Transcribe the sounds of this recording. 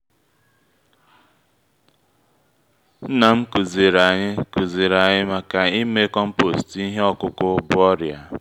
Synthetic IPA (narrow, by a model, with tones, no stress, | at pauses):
n̩˦na˨m̩˦ku˨ze˨ɾa˨ɲɪ˦ku˨ze˨ɾa˨ɲɪ˦ma˨ka˨i˦me˦kɔ˦m̩˦po˨sti˦ɦe˦ɔ˦kʊ˦kʊ˦bʊ˦ɔ˦ɾja˨